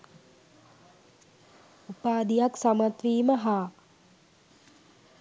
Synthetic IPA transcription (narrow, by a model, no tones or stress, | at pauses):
upaːd̪ijaksamat̪ʋiːməɦaː